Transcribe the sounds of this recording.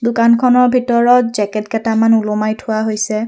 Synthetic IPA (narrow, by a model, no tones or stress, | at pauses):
dʊkankʰɔnɔɹbʱitɔɹɔtzɛkɛtɡɛtamanulɔmajtʰʊwaɦojsɛ